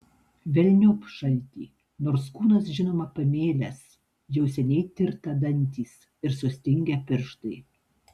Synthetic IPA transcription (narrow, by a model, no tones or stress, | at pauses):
ʋʲɛlʲnʲʊːpʃɐlʲt̪ʲiː | noːɾskuːnɐsʒʲɪnoːmɐpɐmʲeːlʲɛs | jɛʊsʲɛnʲɛɪt̪ʲɪɾt̪ɐd̪ɐnʲt̪ʲiːs | ɪɾsʊsʲt̪ʲɪŋʲɡʲɛpʲɪɾʃt̪ɐɪ